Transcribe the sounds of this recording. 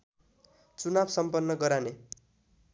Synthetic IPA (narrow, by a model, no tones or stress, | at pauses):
t͡sunabsʌmpʌnːʌɡʌɾane